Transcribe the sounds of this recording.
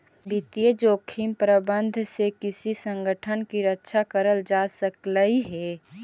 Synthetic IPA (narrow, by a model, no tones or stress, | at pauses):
bɪt̪ijed͡ʒoːkʰimpɾəbə̃nd̪ʱsekɪsisə̃ŋɡəʈʰənkiɾətːʃʰakəɾəld͡ʒaːsəkləiɦɛː